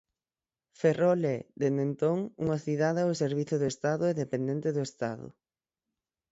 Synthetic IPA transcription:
ferolɛd̪end̪ent̪oŋṵŋɐθiðaðɛʊseɾβ̞iθʊðʊest̪aðʊɛðepend̪ent̪ɪðʊest̪aðʊ̰

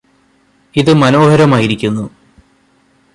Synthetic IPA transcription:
iðɨmɐno̞ːɦɐɾɐmaːjiɾikʲːunːu

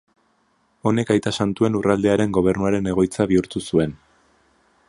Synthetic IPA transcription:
o̞ne̞kajt̪asant̪ue̞nurald̪e̞aɾe̞ŋɡo̞β̞e̞ɾnuaɾe̞ne̞ɣ̞o̞jt͡saβiuɾt̪usue̞n

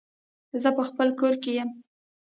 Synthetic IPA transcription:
zəpəxpəlkoɾkejəm

